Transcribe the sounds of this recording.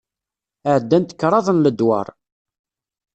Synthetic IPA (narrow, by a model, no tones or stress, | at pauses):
əʕd̪ːænt̪ə̥kːɾˤɑðˤənləd̪wɑ̰ɾˤ